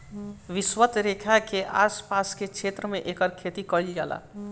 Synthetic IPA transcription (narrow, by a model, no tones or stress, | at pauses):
ʋiswət̪ɾekʰakeʔa̰spaskekt͡ʃʰet̪ɾəmeʔekəɾkʰet̪ikəild͡ʒala̰